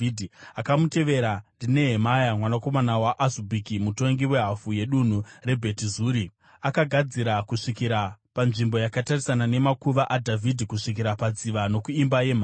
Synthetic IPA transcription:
dʱiakamute̞ʋe̞ɾandine̞ɦe̞majamwanako̞manawaʔazubʱikimuto̞ŋɡiwe̞ɦafuje̞ɗun̤ure̞bʱe̞tizuːɾi | akaɡʱad͡ziɾakuʂikiɾapanʐimbo̞jakatarisanane̞makuʋaʔadʱavʱidʱikuʂik̬iɾapad͡ziʋano̞kuimbaje̞m̤a

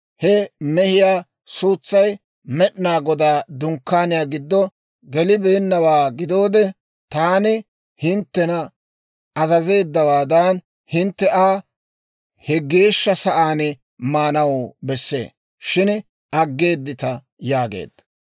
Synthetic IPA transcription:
hɛmɛhɪjaː | suːt͡sːɐj | mɛɗnaːɡɔd̪aːd̪ʊŋkːaːnɪjaːɡɪd̪ːɔ | ɡɛlɪbe̞ːnːɐwaːɡɪd̪o̞ːd̪ɛ | t̪aːnɪ | hɪnt̪ːɛnɐ | ɐzɐze̞ːd̪ːɐwaːd̪ɐn | hɪnt̪ːɛʔaː | hɛɡe̞ːʃːɐsɐʔaːnɪ | maːnɐwbɛsːe̞̰ː | ʃɪn | ɐɡːe̞ːd̪ːɪt̪ɐ | jaːɡḛːd̪̥ːɐ

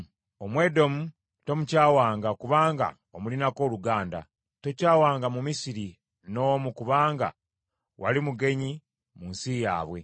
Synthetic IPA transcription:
omwe̞ːdo̞mu | to̞mucaːwaːŋɡakuβaːŋɡa̰ | omulinako̞ːluɡaːnda̰ | to̞caːwaːŋɡamumisiɾi | no̞ːmukuβaːŋɡa̰ | wʔa̰limuɡe̞ɲi | munsijaːβwe̞

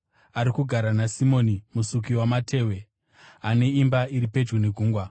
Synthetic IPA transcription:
aɾikuɡʱaɾanasimo̞nimusuk̬iwamatʰe̞ːwe̞ | ane̞imbaiɾipe̞d͡ʒɡuneɡʱuːŋɡwa

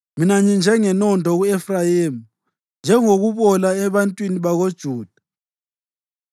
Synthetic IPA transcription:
minaɲind͡ʒʱɛŋɛnɔndʱɔɣuɛfrajeːmu | nd͡ʒʱɛŋoɣuβɔlaɛβantʼwiniβaɣod̥ʒ̥ʱuːd̥ʱa

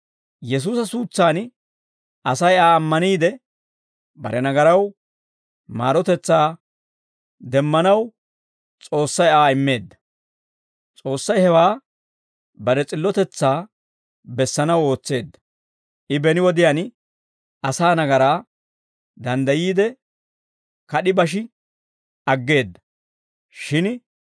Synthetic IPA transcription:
jɛs̬uːsɐsuːt͡sːaːn | ʔɐsɐjaːɐmːɐniːd̪ɛ | bɐ̰ɾɛnɐɡɐɾɐw | ma̰ːɾɔt̪ɛt͡sːaː | d̪ɛmːɐnɐw | t͡sʼo̞ːsːɐjaːɪmːe̞ːd̪ːɐ̥ | t͡sʼo̞ːsːɐjhɛwaː | bɐɾɛt͡sʼɪlːɔt̪ɛt͡sːaː | bɛsːɐnɐwo̞ːt͡sːe̞ːd̪ːɐ̥ | ʔɪbɛnɪwɔd̪ɪjan | ʔɐsaːnɐɡɐɾaː | d̪ɐnd̪ɐjiːd̪ɛ | kɐɗɪbɐʃ̬ɪ | ɐɡːe̞ːd̪ːɐ̥ | ʃɪn

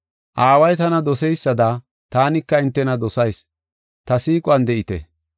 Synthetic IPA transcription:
ʔaːwɐjt̪ɐnɐd̪ɔsɛjsːɐd̪a | t̪aːnɪkːɐɪnt̪ːɛnɐd̪ɔsɐjs | t̪ɐsiːkʼʊɐnd̪ɛʔɪt̪ɛ̰

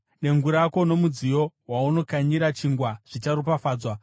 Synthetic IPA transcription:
ne̞ŋɡuɾako̞no̞mud͡zijo̞wauno̞kaɲiɾat͡ʃiŋɡwaʐ̥it͡ʃaɾupafaːd͡zwa

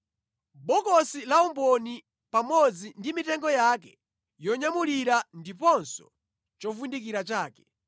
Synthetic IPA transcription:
bɔkɔsilaumbɔni | pamɔd͡zindimitɛŋɡɔjakɛ | jɔɲamuliɾandipɔnsɔ̥ | t͡ʃɔfundikiɾat͡ʃaːkɛ

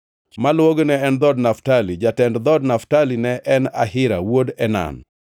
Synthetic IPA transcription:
malwoɡnɛːnd̪ɔdnaftalid͡ʒatɛndd̪ɔdnaftalinɛʔɛna̰ɦɪɾa̰wodɛna̰n

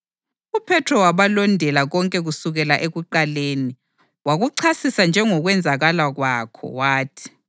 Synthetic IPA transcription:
upʰɛtʰɔwaβalɔndʱɛlaɣɔŋkʼɛɣusuɣɛlaʔeɣuǃaleːni | waɣuǀʰasisand͡ʒʱɛŋɔɣwɛnd͡zʱaɣalaɣwakʰɔ̰waːtʰi̥

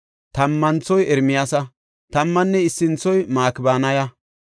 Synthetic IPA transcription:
t̪ɐmːɐnt͡sːɔjɛɾmɪjasɐ | t̪ɐmːɐnːɛɪsːɪnt͡sːɔjmaːkɪbaːnɐjɐ

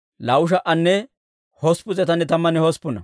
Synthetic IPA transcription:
lɐwʊʃ̬ɐʔɐnːɛ | hɔspʊt͡sɛt̪ɐnːɛt̪ɐmːɐnɛhɔspːʊnɐ̰

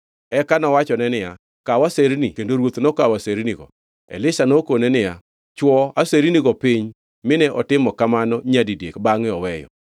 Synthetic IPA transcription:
ɛkanɔwat͡ʃɔnɛnɪja | kawaseɾnikendoɾwot̪nɔkawaseɾniɡɔ̰ | ɛ̰lɪsanokonɛnɪja | t͡ʃwɔaseɾiniɡɔpɪɲ | mɪnɛʔɔtɪmɔkamanɔɲadidjekbaŋɪɔwɛjɔ̰

